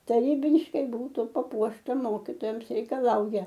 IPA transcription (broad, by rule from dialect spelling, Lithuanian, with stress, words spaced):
tɐˈrʲiːbʲɪʃkɐɪ ˈbuːtʊ pɐˈpuɔʃtɐ ˈmoːkʲiːtoːjɛms rʲɛɪkɐˈlˠɐʊjɛ